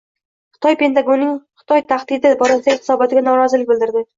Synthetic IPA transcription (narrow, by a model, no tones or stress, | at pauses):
χɨ̥t̪ʰɒjpe̞nt̪ʰaɡonːɪŋχɨ̥t̪ʰɒjt̪ʰaχd̪ɪd̪ɪbɒɾasɪd̪aɡʲɪχɨsɒbɒt̪ʰɪɡʲanɒɾɒzɪlɪk̚ʲbɪlˠd̪ɪɾd̪ɪ